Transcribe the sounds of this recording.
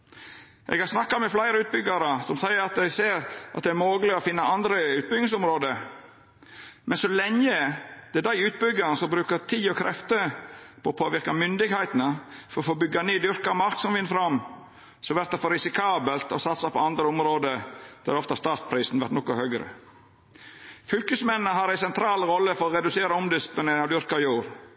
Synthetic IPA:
ʔɛ̰ɡhɑɾsnɑkːɑmɛflæɪɾəʉːt̪̚bʏɡɑɾəsɔmsæɪəɾɑt̪̚d̪ɛɪseːɾʔɑt̪d̪ɛæɾmoːɡəlɪɔfɪnːɑɑnd̪ɾəʉːt̪̚bʏɡnɪŋsʊmɾoːd̪ə | mʔɛnsɔlɛŋːəd̪̥ɛd̪æɪʉːt̪̚bʏɡɑɾn̩sɔmbɾʉːkət̪ʰiːɔkʰɾɛft̪əpʰɔːpʰoːʋɪɾkɑmʏnd̪ɪɡhæɪt̪ənəfɔɾɔfoːbʏɡɑneːd̪ʏɾkɑɾmɑɾksɔmʋɪnfɾɑm | sɔʋæɾt̪d̪ɛfoːɾɪsɪkʰɑːbəlt̪ɔsɑt̪sɑpɔɑnd̪ɾəʊmɾoːd̪əd̪̥ɛɾdɔft̪əɑst̪ɑːɾt̪̚pʰɾiːsn̩ʋæɾʈnɔkʊhœɡɾə̰ | fʏlkʉsmɛnnəɦɑɾæɪsɛnt̪ʰɾɑːlɾɔlːəfɔɾɔɾɛd̪ʉseːɾɑɔmd̪ɪsp̪lɪneɾŋɑd̪ʏɾkɑɾjuːɾ

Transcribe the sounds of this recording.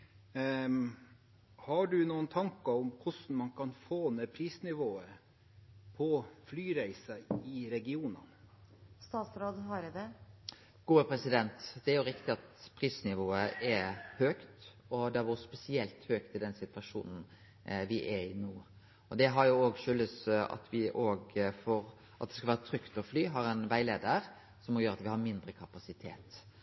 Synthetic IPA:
hɑɖʉnuːənt̪ʰɑŋkɑʊmkʰʊsn̩mɑnkʰɑnfoːneːpʰɾiːsnɪʋoːə | pʰɔflyːɾæɪsɑɪɾɛɡɪuːnɑ̰ | st̪ɑːt̪sɾoːd̪ɦɑɾd̪ɛ | ɡ̥uːəpʰɾɛsɪd̪ɛnt̪d̪ɛæɾjʊɾɪkt̪ɪɑt̪pʰɾiːsnɪʋoːəʔɛɾhøːkt̪ | ɔd̪ɛʋʊɾspɛsɪɛlt̪høːkt̪ɪd̪ɛnsɪt̪ʋɑʂṵːnn̩ | ʋɪʔɛɪnuː | ɔd̪ɛɦɑɾjʊoːɡʃʏlːəsɑ̰t̪ʰʋɪʔoːɡfɔɾ | ʔɑt̪̚d̪ɛskɑlʋæːɾət̪ʰɾʏkt̪ɔflyːɦɑɾɛnʋæɪleːd̪əɾ | sɔmɔjøːɾɑt̪ʋɪhɑɾmɪnd̪ɾəkʰɑpɑsɪt̪ʰḛːt̪

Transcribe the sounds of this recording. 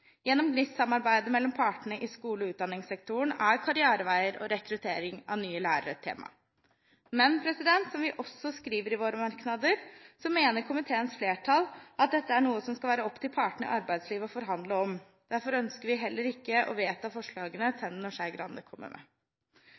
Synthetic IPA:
jɛnːɔmɡnɪssɑmːɑɾbæɪd̪əmɛlːɔmpʰɑːʈəɳəʔɪskuːlɔʉːt̪̚d̪ɑnːɪŋsɛk̚t̪ʰʊəɳæɾkʰɑɾɪɑːɾəʋæɪəɾɔ̰ɾɛkɾʉt̪ʰeːɾɪŋɑ̰ʋnyːəlæːɾə̰ɾət̪ʰḛːmɑ̰ | mɛnpʰɾɛsɪd̪ɛnt̪sɔmʋɪʔɔsːɔskɾiːʋəɾɪʋoːɾəmɑɾknɑd̪əɾsɔmeːnəɾkʰʊmɪt̪ʰeːənsfleːʈʰɑlʔɑt̪̚d̪ɛt̪ːəæɳuːəsɔmskɑlʋæːɾəɔpːt̪ʰɪlpʰɑːʈəɳ̩əɪ̰ʔɑɾbæɪd̪sliːʋɔfɔɾɦɑnd̪ləɔm | d̪̥æɾfɔɾœnskəɾʋɪɦɛlːəɾɪkːəʔɔ̰ʋeːt̪ɑfɔʂɭɑːɡənəsɛnnɔʂæɪɡɾɑ̰nd̪əkʰɔmːə̰ɾmɛ̰

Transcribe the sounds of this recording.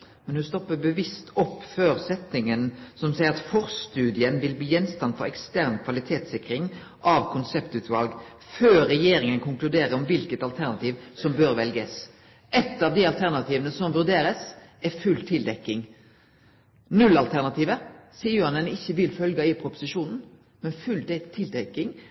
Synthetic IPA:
mɛnhʉst̪ɔpːəbəʋɪst̪ʰɔpːføːɾsɛt̪ːɪŋənsɔmsɛɪəɾɑt̪fɔʁst̪ʉːd̪ɪənʋɪlbliːjɛnst̪ɑnd̪fɔɾɛkst̪æʁnkʰʋɑlɪt̪ʰeːt̪sɪkɾɪŋ | ʔɑʋkʰʊnsɛpt̪ʉːt̪ʋɑlɡ | føːɛjeːɾɪŋənkʰʊŋklʉd̪eːɾəɔmʋɪlkət̪ɑlt̪ʰæʁnɑt̪ʰiːʋsɔmbøːɾʋɛlɡəs | ɛt̪ːɑʋd̪iɑlt̪ʰæʁnɑt̪ʰiːʋənəsɔmʋʉʁd̪eːɾəsɛfʉlt̪ʰɪld̪ɛkːɪŋ | nʉlɑlt̪ʰæʁnɑt̪ʰiːʋəɾsiːəjʊɑnɛnɪçːəʋɪlfœlɡɑɪpʰɾʊpʊ̥sɪʃuːnn̩ | mɛnfʉld̪t̪ʰɪld̪ɛkːɪŋ

